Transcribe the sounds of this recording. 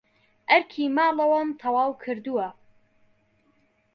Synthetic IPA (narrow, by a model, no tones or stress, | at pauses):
ʔɐɾkʰiːmɑːlˠɐwɐmt̪ʰɐwaːwkʰɨɾd̪uwɐ